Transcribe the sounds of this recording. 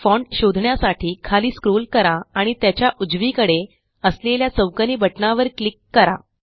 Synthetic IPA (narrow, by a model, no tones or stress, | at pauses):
fɔɳʈɕod̪ʱɳjasaʈʰiːkʰaliːskɾolkəɾaːɽ̃it̪jat͡ɕjaʔud͡zʋiːkəɽe | əsleljat͡səwkəniːbəʈnaʋəɾklikːəɾa̰